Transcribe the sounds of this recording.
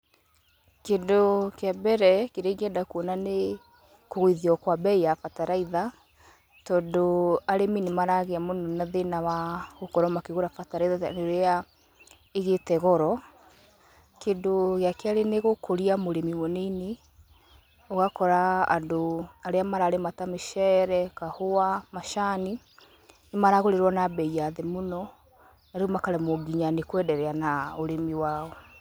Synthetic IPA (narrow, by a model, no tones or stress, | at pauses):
kendokeabɛɾɛkeɾeɣɛdakuɔnane | koɣoiðiɔkwabɛijafataɾaiða | tɔːndoaɾeminemaɾaɣeamonɔnaðenawaɣokɔɾɔmakeɣoɾafataɾaiðandoɾea | eɣetɛɣɔɾɔ | kendoɣeakeaɾeneɣokoɾiamoɾemimɔneine | ɔɣakɔɾa̰ːndoaɾeamaɾaɾematameʃɛɾɛkahoamaʃani | nemaɾaɣoɾeɾwɔnabɛiaðemonɔ | naɾeomakaɾɛmoɡiɲanekwɛdɛɾɛanaoɾemiwaːɔ